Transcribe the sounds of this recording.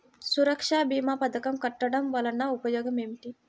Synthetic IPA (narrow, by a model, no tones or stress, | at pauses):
suɾɐkʂaːbiːmaːpɐd̪ɐkɐmkɐʈːɐɖɐmʋɐlɐnaupɐjoːɡɐmemʈi